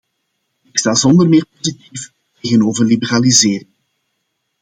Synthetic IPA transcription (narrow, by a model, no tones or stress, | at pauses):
ɪkstaːzɔnd̪ərmɪːrpozitif | teːɣənoːvərlibəralizeːɾɪŋ